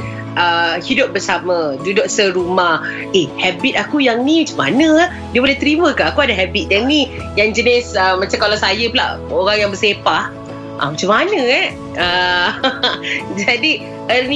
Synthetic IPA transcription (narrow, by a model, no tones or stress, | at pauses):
ʔəhidʊp̚bərsamə̃dudoʔsəɾumah | ehɛbit̪̚akujaŋnimət͡ʃama̰nə̃ | diəboulɛht̪əɾimə̃kaʔakuadaɦɛbit̪̚jaŋni | jaŋd͡ʒənisəmat͡ʃaŋkalawsajəpəla̰ʔoɾaŋjaŋbəsepah | ʔa̰mat͡ʃamanə̃ɛ | ə | d͡ʒadi | əni